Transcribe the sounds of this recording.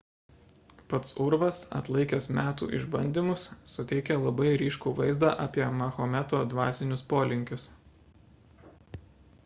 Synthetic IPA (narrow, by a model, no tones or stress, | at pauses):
pɐt̪sʊɾʋɐsɐ̰t̪lˠɐɪkʲesmʲæːt̪ṵːʔɪ̰ʒbɐnʲd̪ʲimʊsːʊt̪ʲɛɪkʲɛlˠɐbɐɪɾʲiːʃkuːʋɐɪzd̪ɑːʔɑːpʲiɛmɐxomʲɛt̪oːd̪ʋɑːsʲɪnʲʊspoːlʲɪŋʲkʲʊs